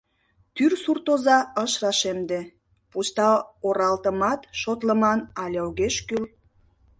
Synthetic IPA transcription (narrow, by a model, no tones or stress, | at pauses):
t̪yrsurt̪ozɑəʃrɑʃemd̪e | pust̪ɑoɾɑlt̪əmɑt̪ʃot̪ləmɑnɑlʲeoɣeʃkyl